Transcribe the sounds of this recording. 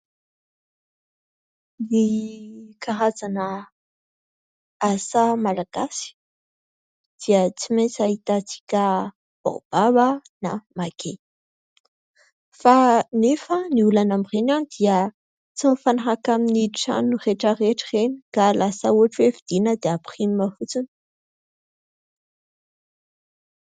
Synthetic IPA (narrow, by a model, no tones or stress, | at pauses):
ni | kaɦazanə | asamalaɡ̥asi̥ | d̪̥iət͡simet͡sait̪at͡si̥kʲə | b̥o̰b̥aβana̰makʰe | fanefəniulanamirenanid̪̥iə | t͡simifanaɦakaminiʈ͡ʂa̰nureʈ͡ʂəreʈ͡ʂireniɡ̥alasauaʈ͡ʂwevid̪̥inəd̪eapu̥χinimafut͡sun